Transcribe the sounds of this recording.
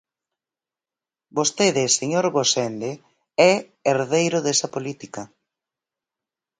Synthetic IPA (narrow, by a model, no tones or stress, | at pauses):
bost̪eðɪseɲoɾɣosɛnd̪e | ɛ | eɾðejɾʊðesɐpolit̪ikɐ